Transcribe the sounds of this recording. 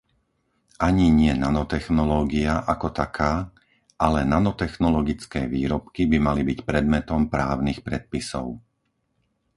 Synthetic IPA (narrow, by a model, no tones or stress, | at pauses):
ʔaɲiɲɪɛnanɔt̪ɛxnɔlɔːɡiaʔakɔt̪akʰaː | ʔalɛnanɔt̪ɛxnɔlɔɡit͡skɛːʋiːɾɔpkibimalibicpɾɛd̪mɛt̪ɔmpɾaːʊnixpɾɛt̪̚pisɔ̰ʊ